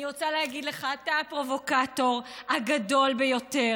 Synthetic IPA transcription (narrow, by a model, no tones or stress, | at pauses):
niʁot͡salehaɡid̪leχatapʁo̞vo̞kato̞ʁhaɡado̞lbejo̞te̞